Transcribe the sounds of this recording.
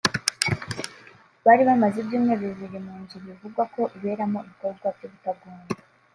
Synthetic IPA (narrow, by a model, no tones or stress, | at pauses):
βaːɾiβamazibjuːmŋeːβeziɾimuːɲɟiβivuɡwako̞ʔiβe̞ːɾamo̞iβiko̞bɡwavjoβutaɡuːnda